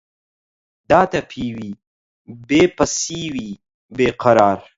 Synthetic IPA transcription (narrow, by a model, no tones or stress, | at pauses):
d̪ɑːt̪apʰiwi | bepɐsiwi | beːqaɾɑːɾ